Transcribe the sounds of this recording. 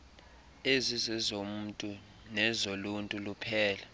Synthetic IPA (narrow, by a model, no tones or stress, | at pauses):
ezizɛzom̩ːtʼu | nɛzoluntʼulupʰɛːla